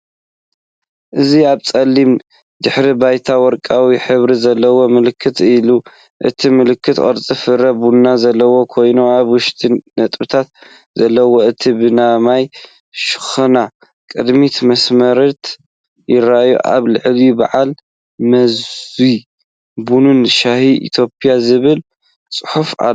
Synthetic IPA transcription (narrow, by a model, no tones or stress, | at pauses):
ʔɨziaβt͡sʼɐlːim | d̪ɨħɾibajt̪ʰawɔɾkʼawiħɨβɾizɐlːɐwo̞mɨlɨkʰːɨt̪ilu | ʔɨ̰t̪ʰimɨlɨkʰːɨt̪χʼɐ̰ɾt͡sʼifɨɾɐbunːazɐlːɐwo̞kʰo̞jnuaβwʊʃt̪ʰʼinːɐt̪ʼbɨt̪ʰat̪ | zɐlːɐwo̞ɨt̪ʰibɨnamaj | ʃɨ̥xɐna | kʼɨd̪mit̪mɐsmɐɾɐt̪ | jɪɾaʔjṵʔa̰βlɨʕliba̰ʕal | mɐzi | bununʃahiʔḭt̪ʰjo̞pʰʼjazɨβɨl | t͡sʼɨħufʕa̰